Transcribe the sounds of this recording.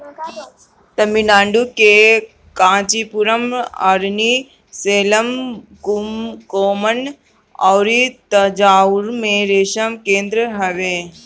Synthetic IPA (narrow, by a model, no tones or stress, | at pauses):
t̪ɐminãːɳɖuke | kãːt͡ʃipuɾəmɐ̰ɾni | seːləmkumkoːmən | ɔːɾit̪ɐd͡ʒaːuɾmẽɾeːʃəmkẽːnd̪ɾəɦɐʋeː